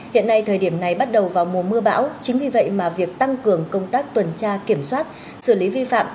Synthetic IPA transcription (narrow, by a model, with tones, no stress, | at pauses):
hḭ˧˨ənːa˧jt̪ʰəː˨˩jɗi˧˩əmna˨˩jɓa˦˥t̚ɗə˨˩wvaː˨˩wmu˨˩əmɨ˧əɓa̰ː˧˥wt͡ɕï˨˦ŋ̟vi˨˩və̰˧˨jmaː˨˩vi˨˩ək̚t̪a˧ŋkɨ˨˩əŋkə˧wŋ͡mt̪aː˦˥k̚t̪wə˨˩nt͡ɕaː˧ki˧˩əmswaː˦˥t̚ | sɨ˧˩li˨˦vi˧fa̰ː˧˨m